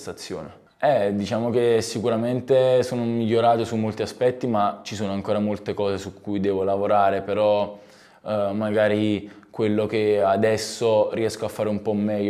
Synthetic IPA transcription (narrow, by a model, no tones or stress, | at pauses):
st̪at̪sːjo̰ːne | ɛd̪it͡ʃaːmokesikuɾament̪esoːnomiʎːoɾaːt̪osumːolt̪iaspɛt̪ːimat͡ʃisoːnoaŋkoːɾamolt̪ekɔːzesukʰːujd̪ɛːvolavoɾaːɾepeɾɔ | maɡaːɾikwelːokead̪ɛsːoriɛskoafːaːɾeumpɔmːɛːʎː